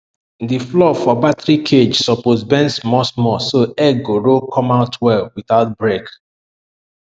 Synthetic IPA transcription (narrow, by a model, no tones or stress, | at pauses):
diflɔfɔbatɹikʰed͡ʒsɔposbɛ̃nsmɔsmɔsoɛɡoɹokʰɔ̃maʊtʰwɛlwiθaʊt̚bɹek